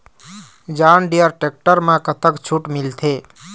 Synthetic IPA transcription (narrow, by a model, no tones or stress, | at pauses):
d͡ʒaːnɖijəɾʈek̚ʈəɾmãkət̪əkt͡ʃʰuʈmilt̪ʰe